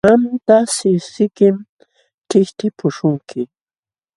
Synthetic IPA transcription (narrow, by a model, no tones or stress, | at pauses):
ant̪asɪsɪkɪm | ʈ͡ʂɪʃt̪ɪpʰʊʃʊŋkʰɪ